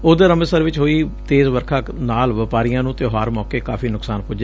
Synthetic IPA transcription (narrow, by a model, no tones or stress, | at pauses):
oːd̪eːɾəməsəɾʋɪt͡ʃɦoːiːt̪eːzʋəɾkʰãː | naːlʋəpaːɾijãːnũːt̪eoːɦaːɾmɔːkeːkaːfʰiːnʊksaːnpʊd͡ʒ